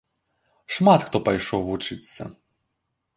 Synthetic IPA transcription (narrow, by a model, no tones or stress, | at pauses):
ʂmat̪xt̪ɔpɐjʂɔwʋut͡ʂɨt̪sːɐ̰